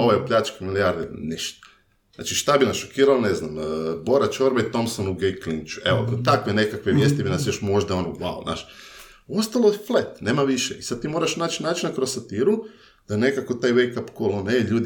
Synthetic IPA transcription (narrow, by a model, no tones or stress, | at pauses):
oʋajopʎat͡ʃkamilijaɾd̪enɛʃt̪ḁ | zna̰ːt͡ʃiʃt̪abinasʃokiːɾaloneznambo̞ɾat͡ʃoɾbait̪o̞msonuɡejklint͡ʃu̥eʋo̰t̪akʋene̞kakʋeʋjeːst̪ibinasjo̞ʃmo̞ʒd̪aonoɡʋa̰lona̰ːʃ | ost̪alˠoflet̪neːmaʋiʃeʔisad̪̚t̪imo̞ːɾaʃnaːt͡ʃnaːt͡ʃinakɾossat̪iɾu | d̪̥anekakot̪aːjʋejkapkoloneʎuːd̪